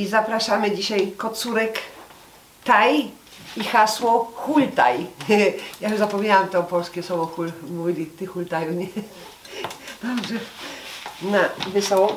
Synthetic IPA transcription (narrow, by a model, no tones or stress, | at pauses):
izapɾaʂamɘd͡ʑiɕajkɔt̪suɾɛk | t̪aj | ixaswɔxult̪a̰j | jaɛzapɔmɲawamt̪ɛɔpɔlskʲɛswɔvɔxulmuvʲilʲit̪ɘxult̪ajuɲɛ | d̪̥ɔbʐɛ | navɘsɔwɔ